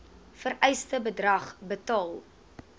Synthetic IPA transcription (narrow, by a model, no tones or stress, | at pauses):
fəɾɛjstəbədrɐχbətɑːlˠ